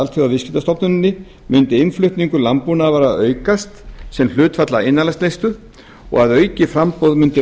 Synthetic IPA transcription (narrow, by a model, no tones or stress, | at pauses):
alt̪θjɔavɪscɪ̥t̪ast̪ɔpnʏnɪnːɪ | mʏnt̪ɪɪnflʏht̪niŋkʏlampunavaːɾaœːɥkast̪sɛml̥ʏːt̪fat̪laɪnːalast̪lejst̪ʏ | ɔ̰ɣaðœːɥcɪfɾampowðmʏnt̪ɪ